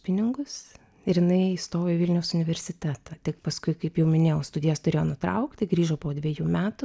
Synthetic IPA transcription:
pʲɪnʲɪŋɡʊs | ɪɾjɪnɐɪst̪oːʋʲeːʋɪlʲnʲɛʊsʊnʲɪʋʲɛɾʲsʲɪt̪ʲæːt̪ɐt̪ʲɪkpɐskʊɪkɐɪpjɛʊmʲɪnʲeːjɛst̪ʊd̪ʲɪjɛst̪ʊɾʲeːjoːnʊt̪ɾɐʊkt̪ʲɪɡɾʲiːʒoːpoːd̪ʲʋʲeɛjuːmʲæːt̪ʊ

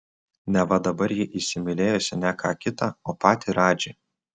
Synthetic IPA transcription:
nʲɛʋɐd̪ɐbɐɾjɪʔɪsʲɪmʲɪlʲeːjoːsʲɪnʲɛkʰɑːkʲɪt̪ɑoːpɑːt̪ʲiːɾɑːd͡ʒʲeː

